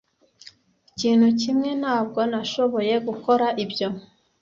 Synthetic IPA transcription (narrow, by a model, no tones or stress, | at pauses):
iciːn̥hucimŋe̞n̥aːbɡo̞naʃo̞βo̞je̞ɡuko̞ɾaʔibjo̞